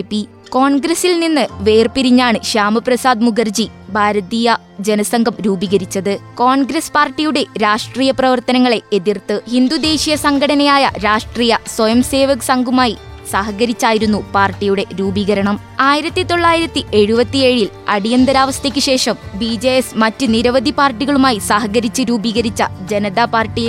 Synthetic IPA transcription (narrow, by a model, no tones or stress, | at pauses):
pːi | ko̞ːɳɡɾɐsilninːɨʋe̞ːrpiɾiɲːaːɳɨɕaːmɨprɐsaːd̪muɡɐrd͡ʑibʱaːɾɐðiːjɐ | d͡ʑe̞nɐsɐŋɡʱɐmɾuːbiɣɐɾit͡ɕːɐðɨko̞ːɳɡɾɐspaːrʈːijuɽe̞ɾaːʂʈriːjɐprɐʋɐrt̪ɐnɐŋːɐɭe̞eðirt̪ːɨhind̪ud̪e̞ːɕijɐsɐŋɡɐɽɐnɐjaːjɐ̰ɾaːʂʈriːjɐswojɐmse̞ːʋɐksɐŋɡʱumaːji | saːɦɐɣɐɾit͡ɕːaːjiɾunːupaːrʈːijuɽe̞ɾuːbiɣɐɾɐɳɐm | aːjiɾɐt̪ːit̪o̞ɭːaːjiɾɐt̪ːiʔe̞ɻubɐt̪ːie̞ːɻil | ɐɽijɐnd̪ɐɾaːʋɐst̪ʰɐkʲːɨɕe̞ːʂɐmbid͡ʑejesmɐtːɨniɾɐʋɐd̪ʱipaːrʈːiɣɐɭumaːjisaːɦɐɣɐɾit͡ɕːɨɾuːbiɣɐɾit͡ɕːɐd͡ʑe̞nɐðaːpaːrʈːij